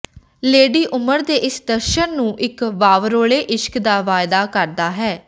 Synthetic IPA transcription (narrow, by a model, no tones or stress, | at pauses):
leːɖiːʔʊməɾd̪eːʔɪsd̪əɾʃənːũːʔɪkʋaːʋɾoːɭeːʔɪʃkd̪aːʋaːjd̪aːkəɾd̪aːɦɛː